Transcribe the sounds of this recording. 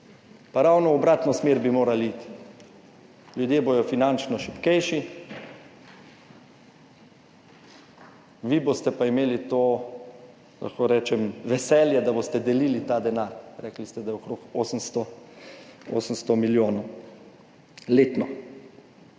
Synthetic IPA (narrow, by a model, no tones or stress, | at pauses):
paɾawnɔɔbɾat̪nɔsmeːɾbimoːɾaliːt̪ | ljud̪jeːboj̪ɔfinant͡ʃnɔʃipkɛjʃi | ʋibost̪ɛpaimeːlit̪oː | la̰xkoɾɛːt͡ʃɛmʋɛsɛːljɛd̪abost̪ɛd̪ɛlilit̪aːd̪ɛnaːɾɾɛklist̪ɛd̪ajɛokɾokoːsənst̪ɔ | o̰ːsənst̪ɔmiljoːnɔw | leːt̪nɔ